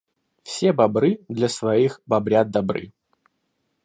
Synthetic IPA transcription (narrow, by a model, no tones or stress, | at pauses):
fsʲebɐbɾɨd̪lʲɐsvɐixbɐbɾʲad̪̚d̪ɐbɾɨ̰